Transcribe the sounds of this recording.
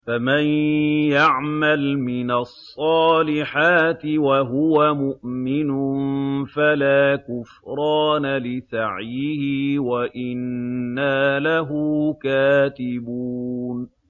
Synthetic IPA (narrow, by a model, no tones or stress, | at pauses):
famanjaʕmalmɪnasˤːɑːlɪħaːt̪ɪwaɦʊwamʊʔmɪnʊfalaːkʊfɾˤɑːnalɪsaʕjɪhɪwaʔɪnːaːlaɦuːkaːt̪ɪbuːn